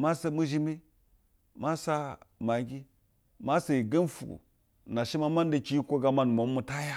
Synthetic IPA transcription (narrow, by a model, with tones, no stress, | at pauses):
ma˦sa˨mu˦ʒi˦mi˦ | ma˦sa˦ma˨ɡi˦ | ma˦sa˨i˨ɡə˦nfu˨ɡṵ˨ | na˨ʃi˦ma˦ma˦n˦də˨ki˦ji˦kʷo˦ɡa˨ma˦n˨moː˨˦u˨ta˦ja˦